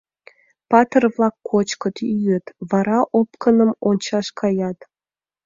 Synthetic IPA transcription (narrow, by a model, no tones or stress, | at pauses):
pɑt̪ərvlɑkːot͡ɕkət̪yjət̪βɑɾɑʔopkənəmonʲt͡ɕɑʃkʰɑjɑt̪